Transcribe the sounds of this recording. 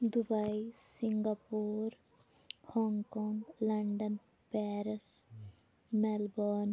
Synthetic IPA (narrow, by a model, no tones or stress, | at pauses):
d̪ubɐjsiŋɡapuːɾ | hɔŋkɔŋɡlɐɳɖən | pɛːɾəs | mɛlbɔn